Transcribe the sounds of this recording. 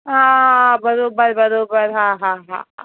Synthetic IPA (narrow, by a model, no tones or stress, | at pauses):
ɦãbɐɾoːbəɾbɐɾoːbəɾɦãːɦãɦã̰ːɦã̰